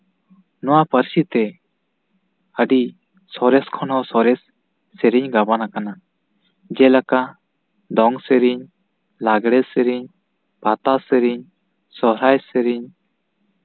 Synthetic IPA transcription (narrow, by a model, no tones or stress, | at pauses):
nɔwapəɾsit̪ɛ | əɖi | sɔɾɛskʰɔnɔsɔɾɛsː | ɛɾiɲɡabanakana | d͡ʒɛlaka | d̪ɔŋsɛɾiɲ | laɡɽɛsɛɾiɲ | pat̪asɛɾiɲ | sɔɾajsɛɾiɲ